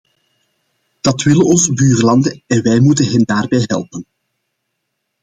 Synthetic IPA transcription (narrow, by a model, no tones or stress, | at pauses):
d̥ɑtʋɪlənɔnsbyːrəlɑndəɛnʋɛjmutənɦɛndaːrbɛjɦɛ̰lˠpən